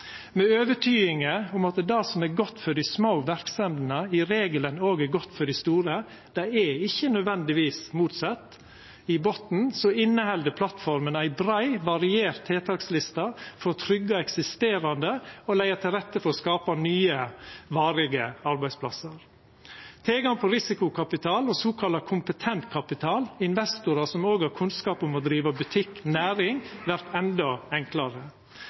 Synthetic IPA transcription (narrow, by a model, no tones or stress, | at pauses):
mɛøːʋəʈʰyːɪŋəʊmɑt̪d̪ɑsɔmæɡɔt̪ːfɔɖɪsmoʊʋæɾksɛmd̪nəɪɾeːɡələnoːɡæɾɡɔt̪ːfɔɖɪst̪uːɾə | d̪̥æɪæɪçːənœd̪ʋɛnd̪ɪʋiːsmuːt̪sɑt̪ː | ɪbɔt̪n̩sɔɪnːəhɛld̪əpʰlɑt̪fɔɾmənæɪbɾæɪʋɑɾɪeːɾt̪ʰːeːt̪ʰɑːkslɪst̪ɑfɔɾt̪ʰɾʏɡːɑɛksɪst̪eːɾɑnd̪əolæɪɑt̪ʰɪlɾɛt̪ːəfɔɾɔskɑːpɑnyːəʋɑːɾɪɡəɑɾbæɪspʰlɑ̰səɾ | t̪ʰɪlɡɑŋpʰɔɾɪsɪkʊkʰɑpɪt̪ʰɑːlɔsoːkʰɑlɑkʰʊmpət̪ʰɛnt̪kʰɑpɪt̪ʰɑːlɪnʋɛst̪ʊɾɑsɔmoːɡhɑɾkʰʉnskɑːpʊmɔd̪ɾiːʋɑbʉt̪ʰɪkːnæːɾɪŋʋæɾt̪ʰɛnd̪ɔɛŋklɑɾə